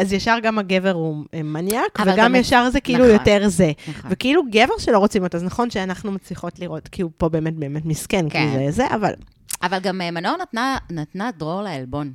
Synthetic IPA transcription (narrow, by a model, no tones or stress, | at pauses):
azjaʃaʁɡamhaɡeveʁuemanjjakveɡamjaʃaʁzekiʔilujoteʁzevekeiluɡeve̞ʁʃelo̞ʁot͡simotaznaχo̞nʃeanaχnumat͡sliχo̞tliʁo̞tkiːlupo̞be̞ːmet̚be̞ːmetmiskenkizezeʔa̰va̰l | avalɡamemanonatnanatnadʁoʁleelbo̞n